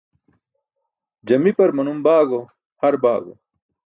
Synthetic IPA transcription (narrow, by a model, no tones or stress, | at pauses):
d͡ʑɐmipɐɾmɐnumbaːɡo | hɐɾbaːɡo̰